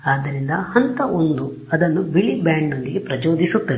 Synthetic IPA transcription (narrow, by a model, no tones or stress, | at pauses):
aːd̪ːɐɾind̪ɐhɐnt̪ɐʔond̪u | ɐd̪ɐnːubiɭibaːɳɖno̞nd̪iɡe̞pɾɐd͡ʒoːd̪isut̪ːɐʋe